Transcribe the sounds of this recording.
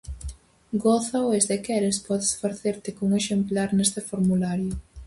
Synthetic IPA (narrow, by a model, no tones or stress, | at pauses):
ɡoθawezðekɛɾespɔðesfaɾθeɾt̪ɪkoŋeʃemplaɾnest̪efoɾmulaɾjʊ